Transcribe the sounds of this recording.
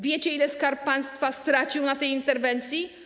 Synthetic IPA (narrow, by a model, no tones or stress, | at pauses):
vʲjet͡ɕɛilɛskaɾppːãj̃st̪fast̪ɾat͡ɕiwnat̪ɛjint̪ɛɾvɛnt̪sʲji